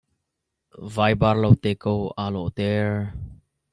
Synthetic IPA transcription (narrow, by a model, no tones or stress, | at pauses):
vajbaɾlowt̪ekowalo̰ʔt̪eɹ